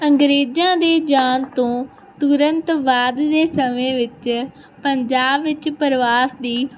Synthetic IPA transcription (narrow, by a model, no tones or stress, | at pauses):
əŋɡɾeːd͡ʒãːd̪eːd͡ʒaːnt̪õː | t̪ʊɾənt̪baːd̪ːeːsəmẽːʋɪt͡ʃ | pəɲd͡ʒaːbːɪt͡ʃpəɾʋaːsd̪iː